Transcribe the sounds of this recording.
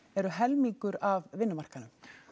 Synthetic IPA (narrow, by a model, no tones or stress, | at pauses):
ɛɾʏɦɛlmiŋkʏɾavvɪnːʏmar̥kanʏm